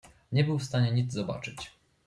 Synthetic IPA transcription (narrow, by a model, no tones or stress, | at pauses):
ɲɛbɘwfst̪aɲɛɲid̪zzɔba̰t͡ʂɘt͡ɕ